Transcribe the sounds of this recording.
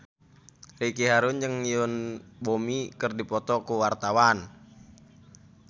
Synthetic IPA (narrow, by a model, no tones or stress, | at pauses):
rikiɦaɾʊnd͡ʒəŋiʊnbomikɨrdipɔt̪ɔkuwart̪awan